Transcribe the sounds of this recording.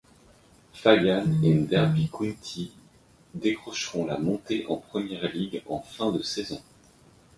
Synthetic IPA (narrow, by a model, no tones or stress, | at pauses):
fajaned̪ɛʁbikʰunt̪ʰi | d̪ekχɔʃʁɔ̃lamɔ̃t̪eʔɑ̰̃pχəmjɛʁliɡɑ̰̃fɛ̃d̪əsɛzɔ̃